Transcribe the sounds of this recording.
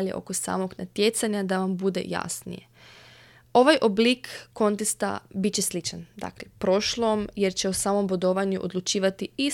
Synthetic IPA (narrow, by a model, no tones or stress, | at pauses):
ʎeʔo̞̰kosa̰ːmo̞ɡnat̪je̞t̪saɲad̪aʋambud̪e̞̰ja̰snḭje̞̰ | o̞ʋajʔoblikːo̞nt̪est̪a̰bitt͡ɕeslit͡ʃand̪a̰klepɾo̞ʃlˠomje̞ɾt͡ɕe̞osaːmo̞mbod̪oʋaɲuʔo̰d̪lˠut͡ʃiːʋat̪ii